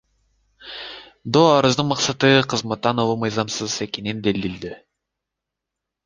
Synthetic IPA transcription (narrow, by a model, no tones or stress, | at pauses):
d̪oɑɾɯzd̪ɯnmɑqsɑt̪ɯqʰɯzmɑt̪ːɑnolˠumɯjzɑmsɯze̞kenind̪eld̪ild̪i